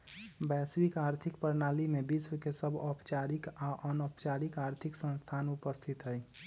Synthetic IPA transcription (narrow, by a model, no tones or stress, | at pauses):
bɛswikaːɾt̪ʰɪkpəɾnaːlimebiswkesəbʱɔpt͡ʃaɾikaʔɔnɔpt͡ʃaɾikaɾt̪ʰɪksə̃nst̪ʰaːnʊpəst̪ʰit̪ɦɛj